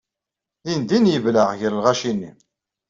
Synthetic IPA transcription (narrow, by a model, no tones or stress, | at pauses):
ðind̪injəvləʁʝəɾlʁaʃinːḭ